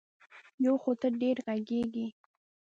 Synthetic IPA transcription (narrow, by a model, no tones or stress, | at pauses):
jawxot̪əɾɖeɾɣaɡeɡi